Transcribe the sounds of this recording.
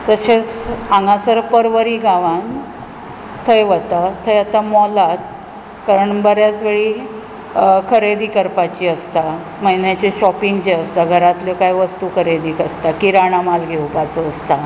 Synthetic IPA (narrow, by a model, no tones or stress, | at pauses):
t̪əset͡sãŋɡãt͡səɾpəɾʋəɾiːɡaʋan | t̪ʰəjʋət̪at̪ʰəjat̪amɔlat̪ | kaɾəɳbəɾjat͡sʋeɭiː | kʰəɾed̪iːkəɾpat͡ɕiəst̪a | məjnjat͡ɕeɕɔpiŋɡd͡ʑeəst̪aɡʱəɾat̪ljokajʋəst̪ukʰəɾed̪iːkəst̪akiɾaɽ̃amalɡʱewpat͡soəst̪a